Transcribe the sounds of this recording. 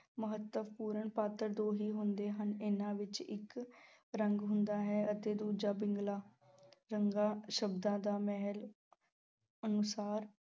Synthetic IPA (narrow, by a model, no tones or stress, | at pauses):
məɦət̪ːəʋpuːɾəɳpaːt̪əɾd̪oːɦiːɦʊnd̪eːɦənɪnãːʋɪt͡ʃɪk | ɾəŋɡɦʊnd̪aːɦɛːət̪eːd̪uːd͡ʒaːbɪŋɡlaː | ɾəŋɡãːʃəbd̪ãːd̪aːmɛɦəl | ənʊsaːɾ